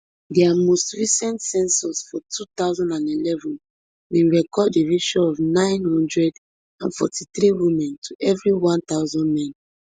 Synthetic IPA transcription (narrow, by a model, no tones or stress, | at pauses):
dɛamostɹisɛ̃ntsɛ̃nsɔsfɔtʰut̪aʊzɔ̃ndãnilɛvɔ̃n | wĩnɹɛkɔddeɹiʃɔɔvnãɪ̃nhɔ̃ndɹɛd | ãnfɔ̰tʰiθɹiwimɛ̃ntʰuʔɛvɹiwɔ̃ntaʊzɔ̃ndmɛ̃n